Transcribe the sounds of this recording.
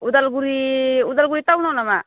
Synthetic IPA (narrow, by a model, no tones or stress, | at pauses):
ud̪alɡuɾiud̪alɡuɾit̪aunanama